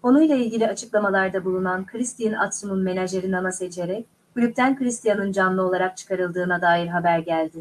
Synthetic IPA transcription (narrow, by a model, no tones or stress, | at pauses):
o̞nujlˠailʲɟʲilʲiat͡ʃʰɯklˠamalˠaɾd̪abulˠunankʰɯɾist̪ʰijina̰t̪umunme̞naʒʲeɾinamase̞t͡ʃʰe̞ɾɛc̚ | ɡ̥ylʲyp̚t̪ʰænkɯɾist̪ijanɯnd͡ʒanlˠɯo̞lˠaɾak̚t͡ʃʰɯ̥kʰaɾɯlˠd̪ɯːnad̪aːjiɾɦabæɾɟælʲd̪ɪ